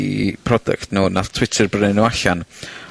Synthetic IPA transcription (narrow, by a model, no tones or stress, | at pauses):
ḭpʰrɔdɛ̰ktʰnuːnatʰw̥ɪtʰərbrənɪnuaɬan